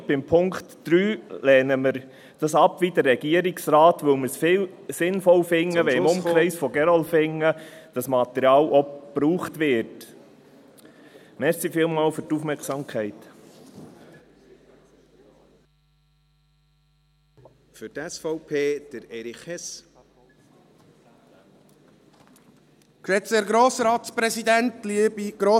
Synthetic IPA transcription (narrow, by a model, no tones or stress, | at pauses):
b̥ɪmpʰʊŋktd̥ɾyːlɛːnəməɾ | d̥ɑsɑpʋidəɾːɛɡ̥iəɾɪksɾaːtʋɵwməsfɪːl | sɪnfɔlfɪŋːəʋɛɪmʊmkχʁɾɛɪsfɔɡɛɾɔlfɪŋːəd̥ɑsmɑt̪ɛɾjɑːlɔb̥ɾuːχt̪ʋɪɾt | mɛɾsifɪːlmɑːlfʏɾtufmɛksɑːmkʰɛɪt | fʏtɛsfɔʊpʰeːd̥əɾɛɾiχɛs | kʃɛtseɾɡɾoːsəɾɑːt̪spɾɛsid̪æntlibiɡ̥ɾoː